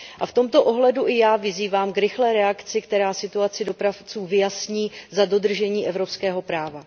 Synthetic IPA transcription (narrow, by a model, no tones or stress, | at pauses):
ʔaft̪o̞mt̪o̞ʔo̞ɦlɛduʔɪjaːvɪziːvaːmkɾɪxlɛːɾɛakt͡sɪkt̪ɛɾaːsɪt̪uat͡sɪdo̞pɾaft͡suːvɪjasɲiːzado̞d̪r̩ʒɛɲiːʔɛvɾo̞pskɛːɦo̞pɾaːva